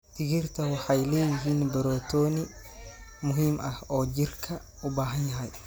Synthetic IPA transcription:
t̪ʰɪɣɪrt̪ʰɐwɑħɑjlɛːjɪɦiːnbɐɾɔːt̪ʰɔːnɪ | mʊɦiːmʔɐhɔːt͡ʃɪrkʰɐ | ʊbaːɦɐnjɐɦɐj

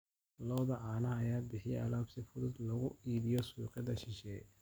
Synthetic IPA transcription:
lɔːðɐʕaːnɐɐjaːbɪħɪjɛʔɐlaːbsɪfʊðʊd̪lɐɣʊiːðɪjɔsuːqɪd̪ɐʃɪʃɛː

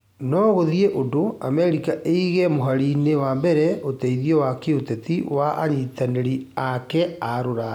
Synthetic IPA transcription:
nɔɣoðieʔodoamɛɾikaʔeiɣɛmoɦaɾinewambɛɾɛotɛiðiɔwakeotɛtiwaʔa̰ɲitaneɾiakɛaɾoɾa

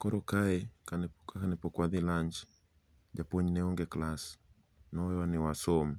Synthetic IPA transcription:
kɔɾɔkaɛkankakanɪpɔkwaðilaɲt͡ʃ | d͡ʒapɔɲnɛɔŋɡɛklas | nɔwɛwanɪwasɔm

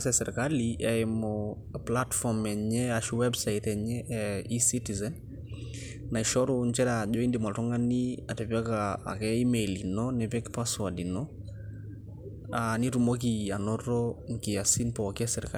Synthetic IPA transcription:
sɛsɛɾkaliʔɛɛmɔ | platfɔmɛɲɛaʃuwɛbsait̪ɛɲɛʔɛisitizɛn | naiʃɔɾunt͡ʃɛɾaʄoindimaltɔŋaniatɛpjakaa̰kɛimelinɔnɛpɛkpaswadinɔ | anitumok̬ianɔɾɔŋkiasinpɔkɛsɛɾka

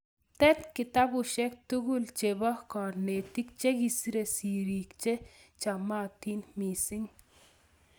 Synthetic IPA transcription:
t̪ɛt̪kɪt̪abuʃɛk̚t̪uɡult͡ʃebɔkɔɾnet̪ik̚t͡ʃekisiɾesiɾikt͡ʃet͡ʃamat̪inmisiŋ

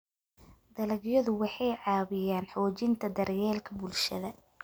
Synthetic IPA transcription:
d̪ɐlɐɣjɐðʊwɑħɑjʕɑːβɪjaːnħɔːt͡ʃɪnt̪ʰɐd̪ɐrjɛːlkʰɐbʊlʃɐ̰ðɐ

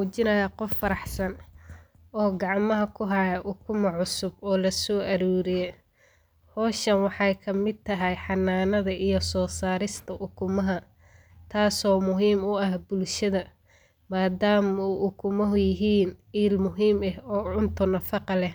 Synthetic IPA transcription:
uːt͡ʃɪnɐjaqɔfːɐɾɑħsɐn | ʔɔːɡɑʕmɐɦɐkʰʊɦɐjɐʔʊkʰʊmɐʕʊsʊbɔːlɐsɔːʔɐɾuːɾɪjɛ | hɔːʃɐnwɑħɑjkʰɐmɪd̪̚t̪ʰːɐɦɛjħɑnːaːnɐðɐʔijɞsɔːsaːɾɪst̪ʰɐʔʊkʰʊmɐɦɐ | t̪ʰaːsɔːmʊɦiːmʊɐhbʊlʃɐðɐ | maːd̪aːmuːʔʊkʰʊmɐɦʊjɪɦiːnʕiːlmʊɦiːmɛhɔːʕʊnt̪ʰʊnɐfɑqɑlɛ

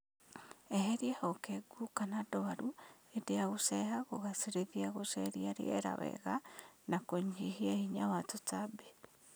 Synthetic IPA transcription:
eɦeɾiahokeɡukanadɔβaɾuedeaɣosɛhaɣoɣasiɾeðjaɣosɛɾiaɾḛḛɾa̰wɛ̰ɣanakoɲd͡ʒihiaiɲawatot͡sabe

